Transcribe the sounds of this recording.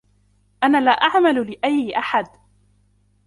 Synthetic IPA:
ʔanaːlaːʔaʕmallɪʔajːɪʔaħad̪

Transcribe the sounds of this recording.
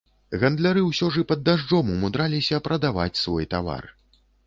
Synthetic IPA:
ɣɐnd̪lʲaɾɨwsʲɔʐɨpɐd̪ːaʐd͡ʐɔmumud̪ɾalʲisʲɐpɾɐd̪ava̰t͡sʲsvɔjt̪ava̰r

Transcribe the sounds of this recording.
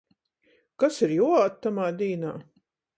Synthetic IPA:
kasiɾjuaːt̪ːamaːd̪ʲiːna̰ː

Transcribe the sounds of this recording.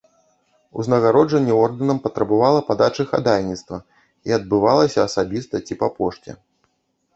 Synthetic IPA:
ṵznɐɣaɾɔd͡ʐɐnʲːɛɔrd̪ɨnɐmpɐt̪ɾɐbavalˠɐpad̪at͡ʂɨxa̰d̪alʲnʲit̪st̪vɐ | iɐd̪̚bɨvalˠɐsʲɐːsabʲist̪ɐt͡sʲipapɔʂt͡sʲɛ̰

